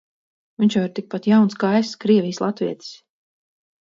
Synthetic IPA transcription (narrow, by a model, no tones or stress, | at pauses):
viɲʲt͡ʃvaɾt̪ik̚pat̪jawnskajskɾiɛvijslˠat̪viɛt̪i̥s